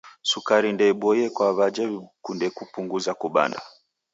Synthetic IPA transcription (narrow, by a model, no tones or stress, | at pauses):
sukaɾindɛɓɔjɛkwaβad͡ʒɛkundɛkupuŋɡuzakuɓa̰nda